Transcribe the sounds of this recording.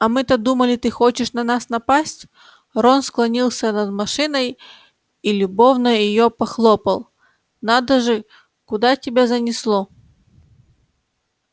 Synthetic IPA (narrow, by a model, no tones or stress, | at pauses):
ɐmɨt̪əd̪uməlʲɪt̪ɨxot͡ɕɪʂnɐnasnɐpasʲtʲ | ronsklˠɐnʲilˠsʲənɐd̪mɐʂɨnəj | ilʲʊbo̞vnəjɪjopɐxlˠopəlˠ | nad̪əʐɨ | kʊd̪atʲɪbʲazənʲɪslˠo